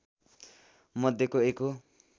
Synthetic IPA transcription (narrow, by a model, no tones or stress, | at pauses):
mʌd̪ʱjekoeko